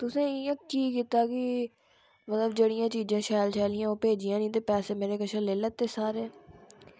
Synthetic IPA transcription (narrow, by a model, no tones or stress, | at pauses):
t̪ʊsẽːiə̃kkiːkɪt̪aːki | mət̪ləbd͡ʒəɽɪjãːt͡ʃiːd͡ʒãːʃaːlt͡ʃʰɛːlɪjãːoːpeːd͡ʒɪjãːnĩːt̪̬eːpɛːseːmeːɾeːkəʃʰəleːləːt̪ːeːsaːɾɛː